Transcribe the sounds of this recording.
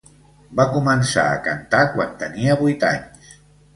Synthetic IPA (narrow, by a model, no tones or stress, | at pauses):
bakumənsa̰ə̰kant̪akwant̪əniəβujt̪a̰ɲs